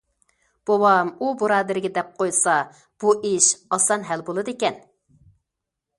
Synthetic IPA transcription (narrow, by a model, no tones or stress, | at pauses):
b̥owɑmubuɾɑːd̪ɪɾɪɡʲɛd̪ɛp̚qʰojsɑ | b̥uʔiʃɑsɑnɦælbolˠɨd̪ekʲɛn